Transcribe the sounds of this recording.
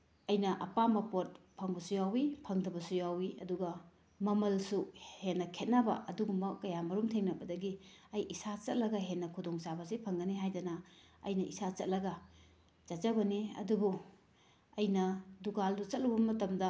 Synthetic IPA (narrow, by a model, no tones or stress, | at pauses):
ɐjnɐʔɐpamɐpot̚pʰɐŋbɐsujawipʰɐŋdɐbɐsujawiɐ̰duɡɐ | mɐmɐlsuhenːɐkʰet̚nabɐ̰ɐduɡumɐkɐjamɐɾumtʰeŋnɐbɐdɐɡiɐjʔisat͡ʃɐt̚lɐɡɐɦenːɐkʰudoŋsabɐsipʰɐŋɡɐniɦajdɐnɐ | ɐ̰jnɐisat͡ʃɐt̚lɐɡɐ | t͡ʃɐt̚t͡ʃɐbɐniɐ̰dubu | ɐjnɐduɡaldut͡ʃɐt̚lubɐmɐtɐmdɐ